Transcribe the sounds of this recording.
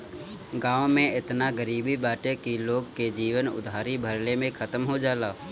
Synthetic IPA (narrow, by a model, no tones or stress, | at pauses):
ɡãːʋmẽɪt̪naɡəɾiːbibaːʈekiloːɡked͡ʒiːʋənʊ̰d̪ʱaːɾibʱəɾlemẽkʰət̪əmɦod͡ʒaːlaː